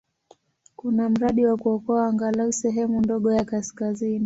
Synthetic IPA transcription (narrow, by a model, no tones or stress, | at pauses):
kunam̩ɾaɗiwakuɔkɔaːŋɡalausɛɦɛmundɔɠɔjakaskazini